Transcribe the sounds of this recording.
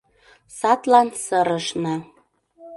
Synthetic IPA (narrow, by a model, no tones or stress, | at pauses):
sɑt̪lɑnsɤ̆ɾɤ̆ʃnɤ̆